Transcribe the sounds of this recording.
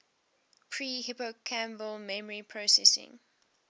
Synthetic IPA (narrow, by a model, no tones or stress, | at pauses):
pʰɹiːhɪpokʰæ̃mbəlmɛməɹipʰɹosɛsɪ̰̃ŋ